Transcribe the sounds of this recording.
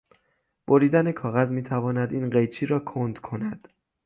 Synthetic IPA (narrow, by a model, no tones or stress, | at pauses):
b̥oɾiːd̪æne̞kʰɒːɣæzmiːt̪ʰævɒːnæd̪iːnɢejt͡ʃʰiːɾɒːkʰond̪kʰo̞næd̪̥